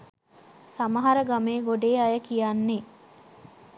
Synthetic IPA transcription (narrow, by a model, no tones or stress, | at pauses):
samɐɦɐɾəɡameːɡoɖeːajəkijanːe